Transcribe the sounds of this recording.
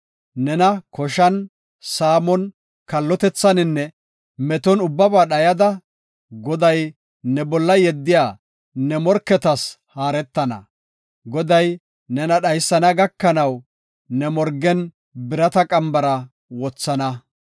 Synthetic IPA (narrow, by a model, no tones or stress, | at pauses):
nɛnɐkɔʃɐn | saːmɔn | kɐlːɔt̪ɛt͡sːɐnɪnːɛ | mɛt̪ɔnʊbːɐbaːɗɐjɐd̪ɐ | ɡɔd̪ɐj | nɛbɔlːɐjɛd̪ːɪjaː | nɛmɔɾkːɛt̪ɐs | haːɾɛt̪ːɐnɐ̰ | ɡɔd̪ɐj | nɛnɐɗɐjsːɐnɐɡɐkːɐnɐw | nɛmɔɾɡɛn | bɪɾɐt̪ɐkʼɐmbɐɾɐ | wɔt͡sːɐnɐ